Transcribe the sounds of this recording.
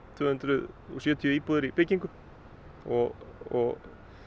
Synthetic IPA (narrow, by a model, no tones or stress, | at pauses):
t̪ʰvʏːhʏnt̪ɾʏðɔ̰sjœːt̪ʰiʏiːpuðɪɾipɪciŋkʏ | ɔɣɔɣ